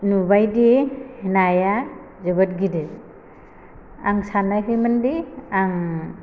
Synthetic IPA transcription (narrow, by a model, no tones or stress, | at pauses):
nubajdihenaja | zɯbɯt̚ɡide | aŋsanaɦɯmandiaŋ